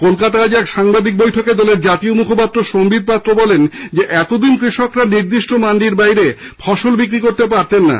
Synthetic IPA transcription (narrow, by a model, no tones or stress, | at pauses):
kolkat̪aad͡ʑɛkʃaŋbad̪ik̚bojʈʰoked̪ɔleɾd͡ʑat̪iomukʰopat̪ːɾoʃombid̪̚pat̪ːɾobɔlend͡ʑeʔɛt̪od̪inkɾiʃokɾaniɾd̪iʃʈomaɳɖiɾbajɾefʰɔʃolbikɾikoɾt̪epaɾt̪enːa̰